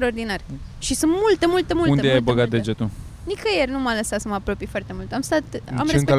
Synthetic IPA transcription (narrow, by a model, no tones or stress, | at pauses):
t̪ɾaord̪inarʃisunt̪mult̪emult̪əmulund̪ejajbəɡat̪̚d̪ed͡ʒet̪u | nikəjernumələsasəməapɾo̞pijfoart̪e̞mult̪amst̪at̪a̰mɾespe